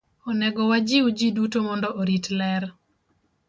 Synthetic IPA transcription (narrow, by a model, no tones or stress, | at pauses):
ɔnɛɡɔwad͡ʒiud͡ʒidutomɔndɔʔoɾitlɛr